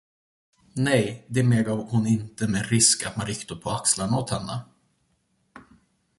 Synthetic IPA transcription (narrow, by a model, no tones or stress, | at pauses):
nɛjd̪ɛmeːɡɑhʊnɪnt̪əmɛɾɪskat̪manɾɪkt̪ad̪̚pʰɔakslaɳnaoːt̪hɛnːə̰